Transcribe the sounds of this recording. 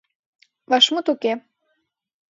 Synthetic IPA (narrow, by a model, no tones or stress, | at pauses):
βɑʃmot̪uke